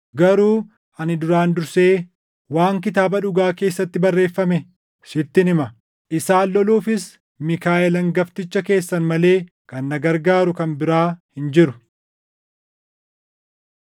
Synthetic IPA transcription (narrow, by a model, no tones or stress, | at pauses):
ɡɐɾuː | ʔɐnɪd̪ʊɾaːnd̪ʊɾse̞ː | waːŋk̬ɪt̪aːbɐᶑʊɡaːke̞ːsːɐt̪ːɪbɐrːe̞ːfːɐmɛ | ʃɪt̪ːɪnɪmɐ | ʔɪsaːlːɔluːfɪs | mɪkaːʔɛlɐŋɡɐft̪ɪt͡ʃːɐke̞ːsːɐnmɐle̞ː | kɐnːɐɡɐɾɡaːɾʊkɐnbɪɾaːhɪnd͡ʒɪɾʊ